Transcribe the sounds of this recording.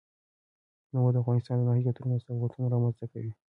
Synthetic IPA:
nawod̪əafvɣɑnɪst̪ɑnd̪ənɑɦikat̪uɾinasawat̪unaɾɑmanzt̪akawi

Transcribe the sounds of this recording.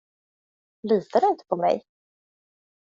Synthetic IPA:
liːt̪ʰad̪ɛɪnt̪ʰə̥pʰɔmɛ̰j

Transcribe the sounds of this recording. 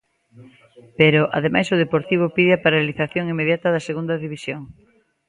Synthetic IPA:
peɾoʔa̰ðemajsʊðepoɾt̪iβ̞ʊpiðɪapaɾaliθaθjoŋimeðjat̪ɐðɐseɣund̪ɐðiβisjoŋ

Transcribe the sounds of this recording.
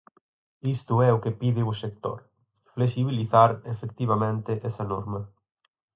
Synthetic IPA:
ist̪ʊɛʊkepiðɪʊsekt̪o̰ɾ | flesiβ̞iliθaɾefek̚t̪iβ̞ɐmẽnt̪ɪʔɛsɐnɔɾmɐ

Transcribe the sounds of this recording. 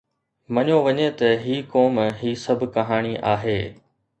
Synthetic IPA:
mɐɲoʋɐɲet̪ɐɦiːkoːmɦiːsɐbʱkɐɦaːɽ̃iʔaːɦeː

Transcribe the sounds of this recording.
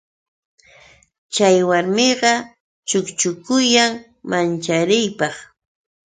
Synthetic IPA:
t͡ʃajwaɾmɪɢɑ | t͡ʃʊkt͡ʃʊkʊjaŋ | mant͡ʃaɾɪjpɑχ

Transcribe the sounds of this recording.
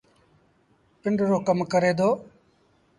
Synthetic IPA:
pɪɳɖɾoːkəmkəɾeːd̪oː

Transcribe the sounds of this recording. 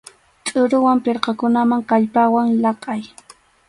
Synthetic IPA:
t͡ʃʼʊɾʊwampɪɾqɑkʊnamaŋkaʎpawaŋlɑqʼɑj

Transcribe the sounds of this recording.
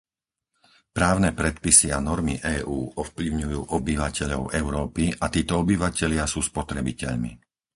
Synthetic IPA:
pɾaːʊnɛːpɾɛt̪pisianɔɾmiʔɛːʔuːɔfplʲiʊɲujuːʔɔbiʋacɛʎɔʊʔɛʊɾɔːpiʔat̪iːt̪ɔɔbiʋacɛʎɪasuːspɔt̪ɾɛbicɛʎmḭ

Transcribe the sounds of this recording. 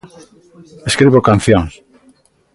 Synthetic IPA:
eskɾiβokan̟θjoŋs

